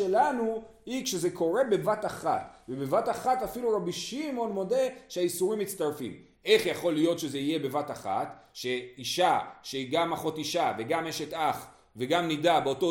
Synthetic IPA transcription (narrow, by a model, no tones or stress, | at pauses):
elanuhikʃe̞ze̞ko̞ʁe̞be̞vataχa̰t̪vebevataχatafiluʁabiʃimo̞nmo̞de̞ʃeaisuʁimːit̪st̪aʁfḭm | e̞χjaχo̞lijo̞tʃe̞zeije̞be̞vataχa̰tʃe̞iʃaʃeiɡamaχo̞tiʃaveɡameʃet̪aχ | veɡamnidabeoto